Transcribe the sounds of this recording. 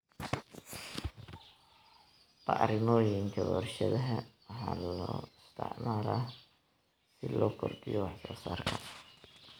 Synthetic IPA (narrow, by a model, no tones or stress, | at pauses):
b̥ɐʔɾɪmɔːjɪŋkʰɐwɔrʃɐðɐɦɐwħɑːlɔːɪst̪ʰɛ̰ʕmaːɾa | sɪlɔːkʰɔrdɪjɔwɑħsɔːsaːrkʰɐ